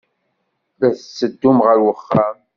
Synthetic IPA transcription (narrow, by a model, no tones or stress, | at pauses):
ðæθəsːəd̪ːumʁəɾwəχːam